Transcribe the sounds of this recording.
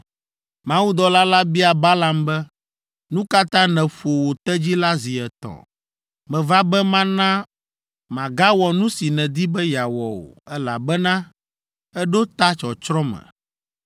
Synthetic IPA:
mã˦wu˦d̪ɔ˨la˦la˦bi˦a˨ba˦la˨mbɛ˦ | nũ˦ka˦t̪ã˦nɛ̃˨fo˨wo˨t̪ɛ˦d͡ʑi˦la˦zi˨ɛ˨t̪ɔ̰̃˨ | mɛ̃˨va˦bɛ˦mã˦nã˦ | mã˨ɡa˦wɔ˨nũ˦si˨nɛ̃˨d̪i˦bɛ˦ja˨wɔ˨o̰˨ɛ˦la̰˨bɛ˦nã˦ | ɛ˦ɖo˦t̪a˦t͡ʃɔ˨t͡ʃɾɔ̃˦mɛ̰̃˨

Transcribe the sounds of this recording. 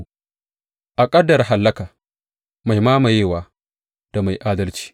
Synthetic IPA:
ʔa˨kʼɐ˦dːɐ˨ɾɦa˨lːɐ˦kaː˨ | ma˨jmaː˦ma˨jeː˦˨waː˦ | d̥a˨ma˨jʔaː˦dɐ˦lt͡ʃi̥ː˦

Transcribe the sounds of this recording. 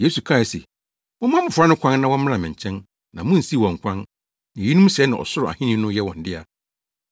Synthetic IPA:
je˦su˨kʰa˦˨ɪ˨sḛ˨ | mʊ̃˦mã˦mʊ̃˨fʊ˨˦a˦nʊ̃˦kʷʰã˦nːã˦wɔ̃˦m̃˦ã˨mɪ̃˨ɲ˨t͡ɕʰɛ̃˦n | nã˨mʊ̃˦n̩˨si˦˨wɔ̃˨ŋ̩˨kʷʰã˦n | nã˨i˦nũ˦mɕɛ˨˦nã˨ʔɔ̰˨sʊ˦ɾʊ˨a̰˨hɪ̃˦nĩ˦nʊ̃˦jɛ˦wɔ̃˨n̩˦dɪ˦a˨

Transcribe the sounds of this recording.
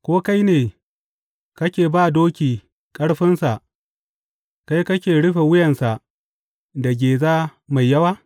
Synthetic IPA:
kʷoː˦ka˦jneː˨ | kɐ˦kʲeː˨baː˦˨doː˦kʲiː˨ | kʼɐ˦ɽɸɪ˦nsa˨ʔ | ka˦jkɐ˦kʲeː˨ɽʊ˦ɸe˨wʊ˦jɐ˨nsa˨ʔ | da˨ɡʲeː˨zaː˦ma˨jːɐ˦waː˦

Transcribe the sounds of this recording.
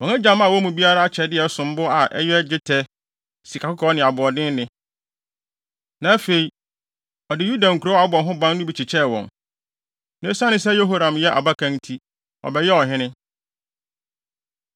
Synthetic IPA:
wɔ̃˨nã˦d͡ʑã˨mã˦˨wɔ˦mũ˨bi˦a˦ɾa˦a˦t͡ɕʰɛ˨dɪ˦ɛ˨sʊ̃˨m˦bʊ˦a˨ʔɛ̰˦jɛ˦d͡ʑɪ˦tʰɛ˦ | si˨kʰa˨kʰʊ˦kʰɔ˨˦nɪ̃˨a˨bʊ˨ɔ˨dɪ̃˦nɪ̃˦ | nã˨˦fe˨i˨ | ɔ˨dɪ˨ju˦dã˨ŋ̩˨kʰu˨ɾo˦a˨˦bɔ˨ɦʊ̃˦bã˦n˦nʊ̃˦bi˨t͡ɕʰi˨t͡ɕʰɛ˦˨wɔ̰̃˨n | nã˦sã˦nɪ̃˦sɛ˦jo˦ɦo˦ɾã˨mjɛ˦ʔa̰˨ba˦kʰã˦ntʰi˦ | ɔ̰˨bɛ˨jɛ˦ɔ˨ɦɪ̃˦nɪ̃˦

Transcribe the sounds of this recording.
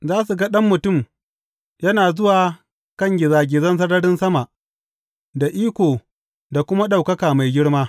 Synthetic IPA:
zaː˦s̬u˨ɡɐ˦ɗɐ˦mːʊ˨tʊ˦˨m | jɐ˦naː˨zʊ˦waː˨ | kɐ˦ŋɡʲɪ˨zaː˨ɡʲɪ˨zɐ˦ns̬ɐ˦ɽɐ˦ɽɪ˦nsɐ˦ma˨ʔ | da˨ʔiː˦kʷoː˨ | da˨kʷʊ˦ma˦ɗa˨wkɐ˦kaː˨ma˨jɡʲɪ˦ɽmaː˦

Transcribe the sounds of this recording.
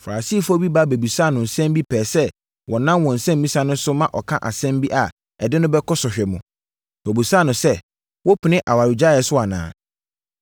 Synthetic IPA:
fa˨a˨si˦fɔ˦bi˦ba˦˨be˨bi˨sa˦˨nʊ̃˨n̩˨sɛ̃˦mbi˦pʰɛː˨sɛ˦ | wɔ˨nã˦mwɔ̃˨n̩˨sɛ̃˦m˦mĩ˦sa˨˦nʊ̃˦sʊ˦mã˦ʔɔ˨kʰã˦ʔa̰˨sɛ̃˦mbi˦ʔa˨ | ɛ˨dɪ˦nʊ̃˦bɛ˦kʰɔ˦sɔ˨ɕᶣɛ˨mũ˨ | bæ˨bu˨sa˦˨nʊ̃˨sɛ˦ | wɔ˦pʰʊ˨nɪ̃˦ʔa̰˨wa˨ɾi˨d͡ʑa˦˨ɛ˨sʊ˦a˨nã̰ː˨

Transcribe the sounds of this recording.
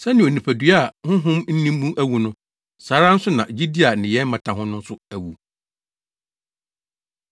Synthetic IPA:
sɛ˦nɪ̃˨o˨nĩ˨pʰæ˨dɥa˦˨hʊ̃˦ɦʊ̃˦mn̩˦nĩ˦m˦bũ˦mæ˦wu˨nʊ̃˦ | saː˨˦ɾa˦n̩˦sʊ˦nã˨d͡ʑi˦di˦a˨nɪ̃˨jɛ˦m̩˦mã˨tʰã˨ɦʊ̃˦nʊ̃˦n̩˦sʊ˦æ˨wu˨

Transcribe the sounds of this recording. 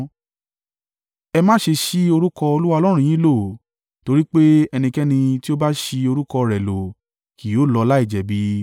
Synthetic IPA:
ɛ˧mãː˦ʃe˧ʃi˦o˧ɾu˦kɔ˧o˧lu˦wa˦ɔ˧lɔ˦ɾ̃ũ˧j̃ĩ˦lo˦˨ | to˧ɾi˦k͡pe˦ɛ˧nĩ˧kɛ˦nĩ˧ti˦o˦ba˦ʃi˧o˧ɾu˦kɔ˧ɾɛ˨lo˨ | ki˨o˨˦˨lɔ˧la˦i˦˨d͡ʒɛ˨bi˨˦

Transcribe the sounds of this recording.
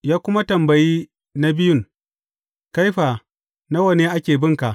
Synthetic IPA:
jaː˦kʷʊ˦ma˦tɐ˨mbɐ˨jiː˦ | na˦bɪ˦jʊ˦˨ŋ | ka˦jɸaː˨ | na˦wɐ˨neː˦ʔa˦kʲeː˨bɪ˦ŋka˨ʔ

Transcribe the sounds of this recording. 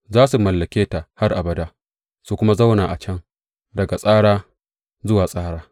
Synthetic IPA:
zaː˦su˨mɐ˨lːɐ˨kʲeː˦ta˨ha˦rʔa˨bɐ˨daː˦ | su˨kʷʊ˦ma˦za˦wnaː˨ʔa˨t͡ʃɐ˦ŋ | dɐ˨ɡa˨sʼaː˦ɽaː˦ | zʊ˦waː˨sʼaː˦ɽaː˦

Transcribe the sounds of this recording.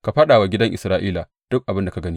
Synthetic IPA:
ka˨ɸɐ˦ɗaː˨wa˨ɡʲɪ˦dɐ˦ŋʔɪ̰˨sɾaː˦ʔiː˦la˨ | d̥ʊ˦k̚ʔa˨bɪ˦nda˨ka˨ɡɐ˦niː˦

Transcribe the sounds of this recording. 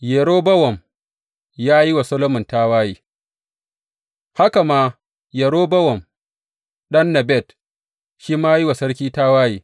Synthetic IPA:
je˨ɾoː˦bɐ˦wɔ˨m | jaː˦ji˦wa˨sɐ˦lo˦mʊ˨nta˦waː˦jiː˨ | ha˦ka˨maː˦ | je˨ɾoː˦bɐ˦wɔ˨m | ɗɐ˦nːɐ˨bɛ˦˨t | ʃiː˦maː˦ji˦wa˨sɐ˦ɽkʲiː˦ta˦waː˦jḭː˨

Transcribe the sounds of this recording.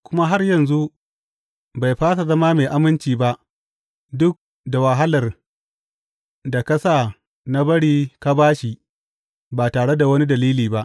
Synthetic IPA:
kʷʊ˦ma˦ɦa˦rjɐ˨nzu˦ʔ | ba˨jɸaː˦sa˨zɐ˦ma˦meː˨ʔa˦mɪ˦nt͡ʃiː˨ba˦ʔ | dʊ˦k̚ | da˨wa˨ɦa˦lɐ˨r | da˨kɐ˦sa˨ | na˦bɐ˦ɽiː˦ka˦baː˦ʃi˨ | baː˨taː˨ɽe˦da˨wɐ˦ni˦dɐ˨liː˦liː˨ba˦ʔ

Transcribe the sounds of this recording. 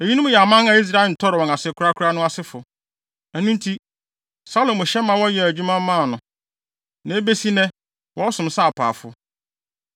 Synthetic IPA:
e˨ji˦nʊ̃˦mʊ̃˦˨jɛ˨a˨mã˦na˨i˦s̬ɾa˦˨ɪ˨n̩˨tʰɔ˦ɾɪ˨wɔ̃˨na˨sɪ˨˦kʰʊ˦ɾa˦kʰʊ˦ɾa˦nʊ̃˦a˦sɪ˦fʊ˨ | æ˨nʊ̃˦n˦tʰi˦ | sa˦lo˨mʊ̃˨ɕɛ˦mã˨wɔ̃˦jɛ˨æ˨d͡ʑᶣu˦mã˦mː˦ã˦˨nʊ̃˨ | nã˨e˦be˦si˦nɛ̃˦ | wʔɔ˦sʊ̃˨msa˦a˨pʰa̰ː˨fʊ̰˦

